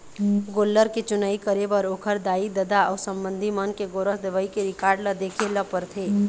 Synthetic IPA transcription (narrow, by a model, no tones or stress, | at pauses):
ɡoːlːəɾket͡ʃʊnaikəɾebəɾoːkʰəɾd̪aːid̪əd̪aɔsə̃mbə̃nd̪ʱimənkeɡoːɾəsd̪eʋəikeɾɪkaːɾɖləd̪ekʰeləpəɾt̪ʰe